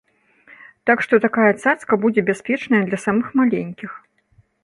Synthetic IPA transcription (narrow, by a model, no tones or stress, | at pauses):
t̪akʂt̪ɔt̪akajɐt̪saskɐbud͡zʲɛbʲaspʲɛt͡ʂnɐjɐd̪lʲɐsamɨxmalʲenʲkʲix